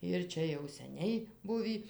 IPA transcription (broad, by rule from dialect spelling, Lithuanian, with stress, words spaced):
ɪr ˈt͡ʃʲɛ jɛʊ sʲɛˈnʲɛɪ ˈbʊʋʲiː